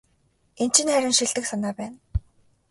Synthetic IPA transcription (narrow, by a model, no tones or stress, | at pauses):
en̥t͡ɕʰɪ̆nχæɾʲɪ̆nʃiɮt̪ɘ̆ksanaːpæːn